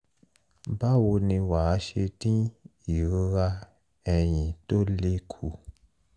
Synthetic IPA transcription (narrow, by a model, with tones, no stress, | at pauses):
ba˦wo˧nĩ˧wa˨˦ʃe˧tĩ˦i˨ɾo˦ɾa˧ | ɛ˧j̃ĩ˨to˦le˦kʰu˨